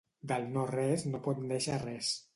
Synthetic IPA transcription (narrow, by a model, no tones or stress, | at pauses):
d̪əlˠnorɛznopɔt̪nd̪eʃarɛs